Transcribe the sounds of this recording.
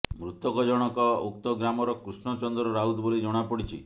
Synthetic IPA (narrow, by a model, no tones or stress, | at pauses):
mɾut̪ɔkɔd͡ʒɔɽ̃ɔkɔokt̪ɔɡɾamɔɾɔkɾusɳɔt͡ʃɔnd̪ɾɔɾaɦud̪bolid͡ʒɔɽ̃apɔɽit͡ʃʰḭ